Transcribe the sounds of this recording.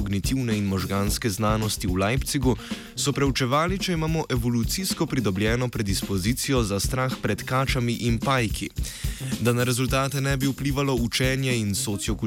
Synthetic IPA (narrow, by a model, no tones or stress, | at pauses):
ɔɡnit̪iwnɛinmɔʒɡaːnskɛznaːnɔst̪iwlajpt̪siɡu | sɔpɾɛut͡ʃɛʋaːlit͡ʃɛimaːmɔʔɛʋɔlut̪siskɔpɾid̪ɔbljɛːnɔpɾɛd̪ispɔziːt̪sijɔzast̪ɾaːxpɾɛt̪kaːt͡ʃamiʔinpaːjkʰḭ | d̪anaɾɛzult̪aːt̪ɛnɛbiupliːʋalɔut͡ʃɛːnjɛinsɔt̪sjɔku